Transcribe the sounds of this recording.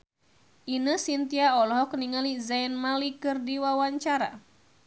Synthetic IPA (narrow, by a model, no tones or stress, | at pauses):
ʔinəsint̪iaɔlɔɦɔkniŋalizainmalikɨrdiwawaɲt͡ʃaɾa̰